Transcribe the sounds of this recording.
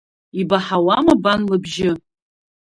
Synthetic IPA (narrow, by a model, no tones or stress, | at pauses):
ibaħawamabanlɨbʒɪ